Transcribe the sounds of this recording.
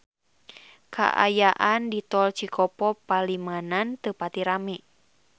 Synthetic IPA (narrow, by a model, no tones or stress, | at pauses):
kʰa̰ʔa̰jaʔandit̪ɔlt͡ʃikʰɔpɔpalimanant̪əpat̪iɾamɛ